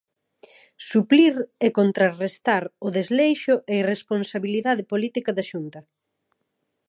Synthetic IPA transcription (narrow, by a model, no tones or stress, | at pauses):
supliɾekont̪ɾarest̪aɾʊðezlejʃʊʔeiresponsaβiliðaðɪpolit̪ikɐðɐʃunt̪ɐ